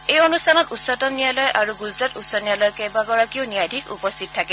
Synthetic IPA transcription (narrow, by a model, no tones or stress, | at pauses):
ejonustʰanɔtusɔtɔmnijalɔjʔaɹuɡuzɹatutsɔnijalɔjkɛbaɡɔɹakionijajdʱikṵpɔstʰit̚tʰakɛ